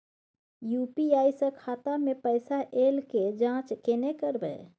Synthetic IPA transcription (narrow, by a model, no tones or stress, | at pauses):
jupiajsə̃kʰat̪amepəjsaʔelked͡ʒãt͡ʃkenekəɾbə̰